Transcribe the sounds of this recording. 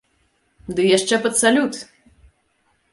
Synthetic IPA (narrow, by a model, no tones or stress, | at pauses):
d̪ɨjaʂt͡ʂɛpɐt̪salʲut̪